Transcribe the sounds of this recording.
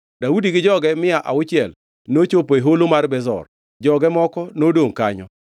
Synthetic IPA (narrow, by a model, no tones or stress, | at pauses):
daudiɡɪd͡ʒɔɡɛmɪaʔaʊt͡ʃɪɛl | not͡ʃopoeɦolomarbɛzɔ̰r | d͡ʒɔɡɛmɔkɔnodoŋkaɲɔ̰